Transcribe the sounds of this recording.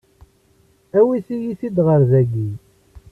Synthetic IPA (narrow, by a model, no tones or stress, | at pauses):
æwisijiθid̪ʁəɾzæɡi